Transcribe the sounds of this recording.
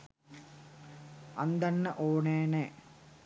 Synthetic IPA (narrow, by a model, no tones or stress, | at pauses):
ɐnd̪ɐnːɐʔoːɳeːne